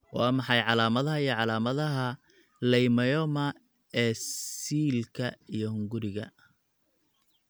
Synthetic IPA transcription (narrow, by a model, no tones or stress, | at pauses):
wɑːmɑħɑjʕɑlaːmɐðɐɦɐijɔʕɑlaːmɐðɐɦɐ | lɛjmɐjɔmɐ | ɛːsiːlkʰɐijɞhʊŋɡʊɾɪɣɐ̰